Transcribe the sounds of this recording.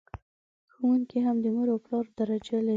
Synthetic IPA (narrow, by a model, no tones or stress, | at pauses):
xuwuŋkiɦamd̪əməɾoplɑɾd̪aɾad͡ʒela